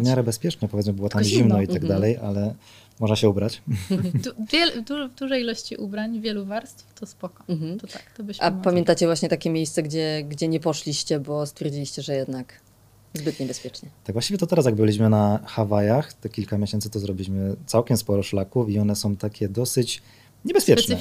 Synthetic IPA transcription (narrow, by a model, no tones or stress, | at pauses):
vmʲjaɾɛbɛspʲjɛt͡ʂnɛpɔvʲjɛt̪mɘbɘwɔt̪ammʑimnɔiaɡd̪alɛjʔalɛ | mɔʐnaɕɛubɾat͡ɕd̪uvʲjɛld̪uvd̪uʐɛjilɔɕt͡ɕiʔubɾaɲvʲjɛluvaɾst̪ft̪ɔspɔkɔm̩ɦm̩t̪ɔt̪akt̪ɔbɨɕapamjɛnt̪at͡ɕɛvwaɕɲɛt̪akʲɛmʲejst̪sɛɡd͡ʑɛɡd͡ʑɛɲɛpɔʂlʲiɕt͡ɕɛbɔst̪fʲjɛɾd͡ʑilʲiɕt͡ɕɛʐɛjɛd̪nak | zbɘt̪ɲɛbɛspʲjɛt͡ʂɲɛt̪aɡvwaɕt͡ɕivjɛt̪ɔt̪ɛɾasjaɡ̚bɘlʲiɕ̬mɘnaxavajaxt̪ɛkʲilkamʲjeɕɛnt̪ɘt̪ɔzɾɔbʲilʲiɕmɘt̪sawkʲɛmspɔɾɔʂlakufiɔnɛsɔ̃w̃t̪akʲɛd̪ɔsɘt͡ɕ | ɲɛbɛspʲjɛnɛ